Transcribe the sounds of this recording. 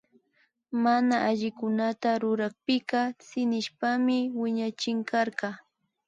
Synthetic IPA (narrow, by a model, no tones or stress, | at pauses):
manaʔaʎɪkʊnat̪aɾʊɾɑχpɪkɑsɪnɪʃpamɪwɪɲat͡ʃɪŋkɑɾɢɑ